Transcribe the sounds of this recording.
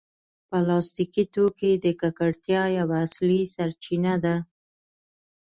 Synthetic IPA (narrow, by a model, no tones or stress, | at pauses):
pəlɑst̪ikit̪oked̪əkakaɽt̪jɑjawaːslisaɾt͡ʃinad̪a